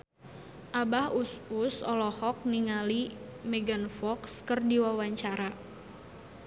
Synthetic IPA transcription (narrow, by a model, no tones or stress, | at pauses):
ʔabahususɔlɔhɔk̚niŋalimɛɡanfɔkskərdiwawaɲt͡ʃaɾa